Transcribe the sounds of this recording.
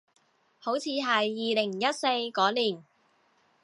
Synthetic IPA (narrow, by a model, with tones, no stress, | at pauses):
ho˨˥wt͡sʰiː˨˧ɦɐ˨jːiː˨lɪ˨˩ŋjɐ˥t̚se˧jkɔː˨˥liː˨˩n